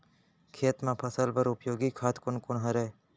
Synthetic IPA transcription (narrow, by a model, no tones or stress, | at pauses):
kʰeːt̪mãpʰəsəlpəɾʊpjoːɡikʰaːt̪ʰkʊnkʊɳɦəɾe